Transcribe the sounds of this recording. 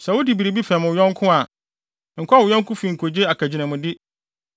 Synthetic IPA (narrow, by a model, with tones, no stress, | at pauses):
sɛ˨wo˦di˨bi˨ɾe˨bi˦fɛ̃˨m˨jɔ̃˦ŋ˦kʰʊ̃˦a˨ | ŋ̩˨kʰʊ˦a˦˨wʊ˨jɔ̃˦ŋ˦kʰʊ̃˦fĩ˨ŋ̩˨kʰo˨d͡ʑe˦a˨kʰæ˨d͡ʑi˨nã˨mʊ̃˨dɪ˦